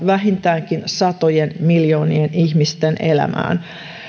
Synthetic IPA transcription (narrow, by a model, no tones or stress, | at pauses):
ʋæɦint̪æːŋkinsɑt̪ojenmiljoːnienihmist̪enelæ̰mæ̰ːn